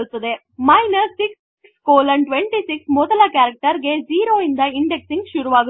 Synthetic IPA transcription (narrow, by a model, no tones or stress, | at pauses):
ɭut̪ːɐd̪e | mɐjnɐːiks | ikskoːlɐɳɖʈʋeɳʈisiksmɔd̪ɐlɐkaːɾɐk̚ʈɐɾɡe̞d͡ʒiːɾoːind̪ɐiɳɖeksiŋɡʃuɾuʋaːɡu